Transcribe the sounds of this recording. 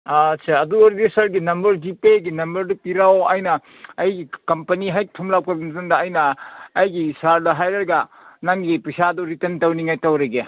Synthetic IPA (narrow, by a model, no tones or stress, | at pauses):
at͡ʃʰeɐduɐɾidisɐɾɡinɐmbɐɾd͡ʒipeɡinɐmbɐɾdupiɾawajnɐː | jɡikɐmpɐniɦajk̚tʰumlawkʰɐbɐntɐndɐːjnɐːjɡisaɾdɐɦajɾɐɾɡa | naŋɡipɐsadɔɾitentɐwniŋajtawɾɐɡe